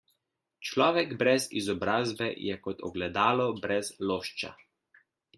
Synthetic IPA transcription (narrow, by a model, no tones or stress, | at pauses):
t͡ʃlɔːʋɛɡbɾɛzizɔbɾaːzbɛjɛkɔt̪ɔ̰ɡlɛd̪aːlɔbɾɛzloːʃt͡ʃa̰